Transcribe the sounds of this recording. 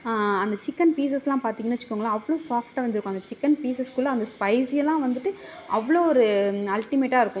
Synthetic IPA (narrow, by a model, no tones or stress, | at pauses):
ɐnd̪ɐt͡ʃɪkːɐnpiːs̬ɛsɛlãːpaːɾt̪iːŋɡɐnːɐt͡ʃːɯ̥kːoːŋɡɐɭaːɐʋːɐɭoːsaːfʈaːʋɐnd̪ɪɾɯkːʊ̃ɐnd̪ɐt͡ʃɪkːɐnpiːsɛskʊlːɐɐnd̪ɐspɐɪsɪjɛlːãːʋɐnd̪ɯʈːɯʔɐʋːɐɭoːɔɾɯɐlʈɪmeːʈːaːɪɾɯkːʊ̃